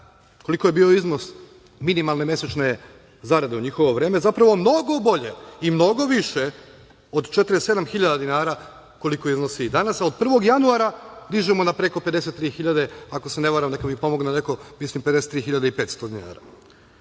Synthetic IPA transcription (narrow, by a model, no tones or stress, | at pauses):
ko̞likojebio̞izno̞s | minimalˠne̞mje̞set͡ʃne̞ | zaɾad̪e̞uɲixo̞ʋo̞ʋɾe̞ːme̞zapɾaʋo̞mno̞ɡo̞bo̞ʎe̞imno̞ɡoʋiʃe | od̪t͡ʃet̪ɾese̞d̪amxiʎad̪ad̪inaːɾa | ko̞liko̞izno̞sid̪anasaod̪̚pr̩ʋo̞ɡjanuaːɾad̪iʒemonapɾe̞ko̞pe̞d̪ese̞t̪ːɾiːxiʎad̪e̞ako̞sene̞ʋaɾamnekamipo̞moɡnene̞ko̞mislˠimped̪eset̪ːɾiːxiʎad̪eipe̞ːt̪st̪o̞d̪ina̰ːɾa̰